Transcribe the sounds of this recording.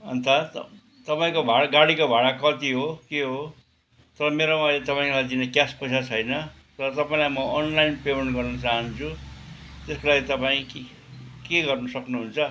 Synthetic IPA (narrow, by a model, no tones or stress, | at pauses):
ʌ̰nt̪ʰa | t̪ʌpaĩkobʱaɽɡaɽikobʱaɽakʌt̪iɦokeɦo | t̪ʌɾʌmeɾomajlet̪ʌpaĩlajd̪inekjaspʌjsat͡sʰʌjnʌ | t̪ʌɾʌt̪ʌpaĩlajmʌːnlajnpemeɳʈɡʌrnʌt͡saɦʌnt͡sʰu | t̪eskolaɡit̪ʌpaĩ | keɡʌrnʌsʌknuɦunt͡sʰʌ